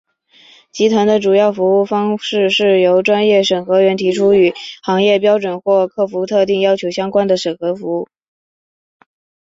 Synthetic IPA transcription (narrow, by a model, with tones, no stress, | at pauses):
t͡ɕi˧˥t̪ʰwa˧˥ŋd̪ə˧ʈ͡ʂu˨˩jɑ˥˩ʊfu˧˥u˥˩fɑ˥ŋʂɻ̩˥˧ʂɻ̩˥˩jo˧˥ʊʈ͡ʂwa˥njɛ˥˩ʂə˨˩nxɤ˧˥ɥɛ˧˥nt̪ʰi˧˥ʈ͡ʂʰu˥y˨˩xɑ˧˥ŋjɛ˥˩p̬jɑ˥ʊʈ͡ʂwə˨˩nxwɔ˥˧kʰɤ˥˩fu˧˥t̪ʰɤ˥˧t̪̬i˥˩ŋjɑ˥ʊt͡ɕʰjo˧˥ʊɕjɑ˥ŋkwa˥nd̪ə˨ʂə˨˩ŋxɤ˧˥fu˧˥u˥˩